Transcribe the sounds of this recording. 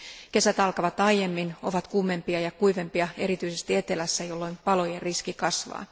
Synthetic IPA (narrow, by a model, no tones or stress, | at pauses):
ke̞sæt̪ɑlkɑʋɑt̪ɑjje̞mːino̞̰ʋɑt̪kumːe̞mpiɑjɑkuiʋe̞mpiɑe̞ɾit̪yise̞st̪ie̞t̪e̞læsːæjo̞lːoimpɑlo̞jerriskikɑsʋɑ̰ː